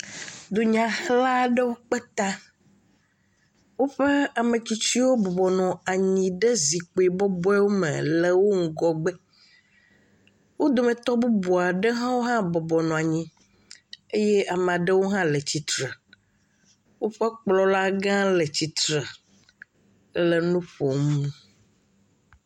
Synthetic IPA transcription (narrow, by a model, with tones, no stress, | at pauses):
d̪o˨ɲã˨xla˦ɖe˦wo˦k͡pɛ˦t̪a˦ | wo˦ɸe˦a˨mẽ˨t͡ɕi˦t͡ɕi˦wo˦bɔ˨bɔ˨nɔ̃˨a˨ɲĩ˨ɖɛ˦zi˨k͡po˨i˨bɔ˦bɔ˦ɛ˦wo˦mḛ̃˨le˨wo˦ŋ̩˦ɡɔ˦ɡ͡bɛ˦ | wo˦d̪o˨mɛ̃˨t̪ɔ˦bu˦bɔ˨a˨ɖɛ˦ɦã˦wo˦ɦã˦bɔ˨bɔ˨nɔ̃˨a˨ɲĩ˦ | e˦jɛ˦a˨m̃˨a˨ɖɛ˦wo˦ɦã˦lɛ˨t͡ɕi˨t̪ɾ | wo˦ɸɛ˦k͡plɔ˦la˦ɡã˦lɛ˨t͡ɕi˨t̪ɾɛ˨˦ | le˨nũ˦ɸo˨mũ˦